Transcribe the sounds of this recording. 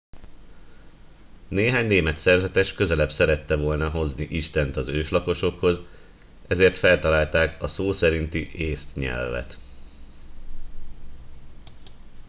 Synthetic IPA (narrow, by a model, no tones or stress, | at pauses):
neːɦaːɲneːmɛt̪sɛrzɛt̪ɛʃkø̞zɛlɛbsɛɾɛt̪ːɛvo̞lnɒɦo̞zniʔiʃt̪ɛnt̪ɒzøːʃlɒko̞ʃo̞kho̞z | ɛzeːrt̪fɛlt̪ɒlaːlt̪aːkɒsoːsɛɾint̪iʔeːst̪ɲɛ̰lvɛ̰t̪